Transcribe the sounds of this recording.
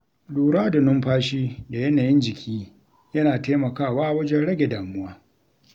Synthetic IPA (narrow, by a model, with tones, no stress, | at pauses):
duː˨ɽaː˦da˨nʊ˦mɸaː˦ʃiː˦da˨jɐ˦naː˨jɪ˦nd͡ʒɪ˨kʲʰiː˦ | jɐ˦naː˨teː˦mɐ˨kaː˦˨waː˦ʔwɐ˦d͡ʒɛ˦nɽɐ˦ɡʲe˨daː˨mʊ˦waː˦